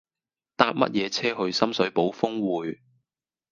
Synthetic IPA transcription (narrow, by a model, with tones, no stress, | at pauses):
t̪aː˧p̚mɐ̰˥t̚jɛː˨˧t͡sʰɛː˥ɦɵ˧ɥsɐ˥msɵ˨˥ɥpo˨˥wfʊ˥ŋwuː˨j